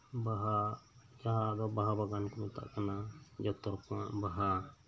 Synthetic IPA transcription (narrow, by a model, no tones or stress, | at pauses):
baɦad͡ʒaɦad̪ɔbaɦabaɡankɔnɔt̪a̰ʔkanad͡ʒɔk̚t̪ɔɾkãʔbaɦa